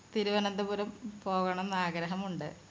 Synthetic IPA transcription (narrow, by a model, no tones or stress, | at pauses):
t̪iɾuʋɐnɐnd̪ɐpuɾɐmpo̞ːɣɐɳɐenːaːɡɾɐɦɐmuɳɖɨ